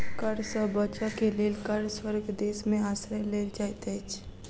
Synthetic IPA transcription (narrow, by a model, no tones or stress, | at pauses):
kəɾsəbət͡ʃakeleːlkəɾswəɾɡd̪eːsmẽaːsɾəleːld͡ʒaːjt̪ɛt͡ʃʰ